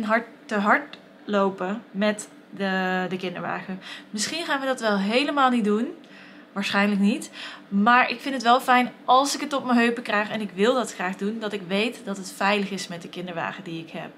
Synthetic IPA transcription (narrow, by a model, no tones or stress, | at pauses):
nɦɑɹtː | əɦɑɹt | lowpəmɛt | ədəkɪndə̰ɹʋa̰ːχəmɪsχinχaːnʋədɑtʋɛlˠɦejləmaːlˠnidun | ʋaːɹsχɛjnləknitmaːɹɪkfɪntətʋɛlˠfɛjnʔɑlˠsɪkətɔpməɦøɥpəkrɛjχɛnɪkʋɪlˠdɑtχraːχdundɑtɪkʋejtdɑtətfɛjləχɪsmɛt̚dəkɪndəɹʋa̰ːχədiɪkɦɛ̰p̚